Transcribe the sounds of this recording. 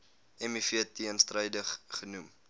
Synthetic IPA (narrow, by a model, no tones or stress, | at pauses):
ɛmifiətːiənstrəjdəχχənum